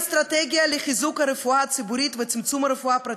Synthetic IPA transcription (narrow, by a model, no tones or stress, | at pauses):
st̪ɾat̪ɛɡʲiɐlɪχɪzukɐɾɪfuat͡sɪbʊɾiːt̪vɪt͡sɪmt͡sumɐɾɪfʊapɾɐ